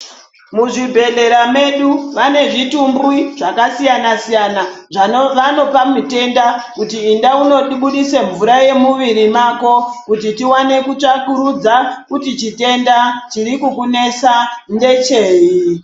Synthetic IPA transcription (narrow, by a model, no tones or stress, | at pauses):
muʐibʱe̞ɮe̞ɾame̞ɗuʋane̞ʐitumbwiʐ̥akasijanasijanaʐaʋano̞pamute̞ndakutiːndauno̞ɗiɓuɗise̞ɱvuɾaje̞muʋiɾimako̞kutitiwane̞kut͡ʂakuɾud͡zakutit͡ʃite̞ndat͡ʃiɾikukune̞sande̞t͡ʃe̞ːji